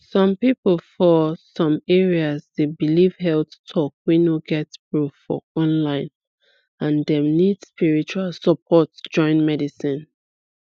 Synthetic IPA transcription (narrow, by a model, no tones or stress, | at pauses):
sɔ̃mpipəlfɔsɔ̃mɛɹiasdebiliv̥hɛlttʰɔkwinoɡɛtpɹuffɔ̰ɔ̃nlãɪ̃n | ãndɛ̃mnidspiɹit͡ʃualsəpʰɔtd͡ʒɔ̃ɪ̃nmɛdisĩn